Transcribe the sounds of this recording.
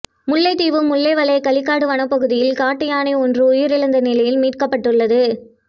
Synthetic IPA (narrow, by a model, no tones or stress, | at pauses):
mʊɭːɐɪt̪ːiːʋɯmːʊɭːɐɪʋɐlɐɪkɐɭɪkːaːɽɯʋɐnɐpːɐɣɯðɪjɪlkaːʈːɪjaːnɐɪɔndrɯʊjɪɾɪɻɯnd̪ɐnɪlɐjɪlmiːrkɐpːɐʈːɯɭːɐðɯ